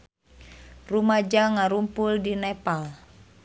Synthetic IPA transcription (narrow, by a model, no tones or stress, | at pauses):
rumad͡ʒaŋaɾumpuldinɛpal